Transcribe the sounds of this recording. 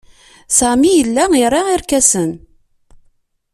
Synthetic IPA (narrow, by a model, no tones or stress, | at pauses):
sæmijəlːæiɾˤɑiɾkæsən